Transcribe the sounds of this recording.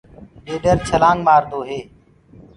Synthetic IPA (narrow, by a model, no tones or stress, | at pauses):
ɗeːɖəɾt͡ʃʰəlãːŋɡmaːɾd̪oːɦeː